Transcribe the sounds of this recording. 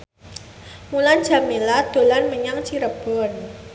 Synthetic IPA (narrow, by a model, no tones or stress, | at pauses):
muland̥ʒ̥a̤melad̪̥o̤lanməɲaŋt͡ʃiɾəb̥ɔn